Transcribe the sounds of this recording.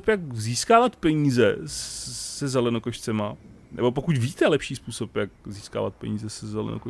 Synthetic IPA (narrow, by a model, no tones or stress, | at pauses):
pjakziːskaːvat̪pɛɲiːzɛssɛzɛlɛnokoʃt͡sɛma | nɛ̰bo̞p̬o̞kucvit̪ɛlɛpʃiːspuːso̞pjakziːska̰ːva̰t̪̚pɛ̰ɲiːzɛsɛzɛlɛ̰no̰ko